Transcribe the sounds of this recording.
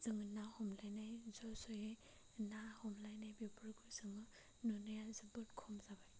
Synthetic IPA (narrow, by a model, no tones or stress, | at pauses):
z̥ɯŋɯnahɔmlajnajzɔsɔje | nahɔmlajnajbibɾɡɯzɯŋɯ | nunɯjazɯbɯt̚kʰɔmzabaj